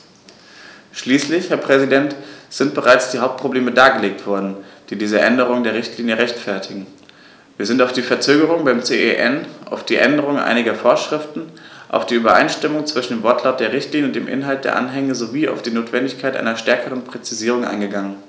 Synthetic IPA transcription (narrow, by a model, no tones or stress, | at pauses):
ʃliːslɪçhɛːɐpʁ̥ɛzidɛntz̥ɪntb̥əʁaɪt͡sd̥iːhaʊp̚t̚pʁ̥obleːmədaːɡəleːk̚tv̥ɔɐdn̩d̥iːdiːzəʔɛndəʁ̞ʊŋndeːɐʁ̞ɪçtliːnjəʁɛçtfɛɐtʰɪɡŋ̩ | viːɐzɪntaʊfd̥iːfɛɐt͡søːɡəʁʊŋbaɪmt͡seːʔeʔɛnʔa̰ʊfd̥iːʔɛndəʁ̞ʊŋʔa̰ɪnɪɡɐfoːɐʃʁ̥ɪftn̩ʔa̰ʊfd̥iːʔyːbɐʔa̰ɪnʃtɪmʊŋt͡sv̥ɪʃn̩deːmvɔɐtʰlaʊt̚d̥eːɐʁ̞ɪçtliːnjəʊntd̥eːmʔɪ̰nɦalt̚d̥ḛːɐʔa̰nɦɛŋəzoviːa̰ʊfd̥iːnoːtv̥ɛndɪçkʰaɪtʔa̰ɪnɐʃtɛɐkəʁənpʁ̥ɛt͡siziːʁ̞ʊŋʔa̰ɪnɡəɡaŋən